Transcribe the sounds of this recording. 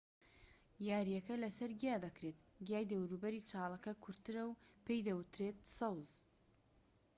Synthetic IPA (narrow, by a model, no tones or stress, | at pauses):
jaːɾijɐkɐlɐsɐɾɡijaːd̪ɐkɾeːt̪ɡijaːjd̪ɐwɾuːbɐɾiːt͡ʃʰɑːlˠɐkɐkʰʊɾt̪ɨɾɐwpʰejd̪ɐwɨt̪ɾeːt̪̚sɐwz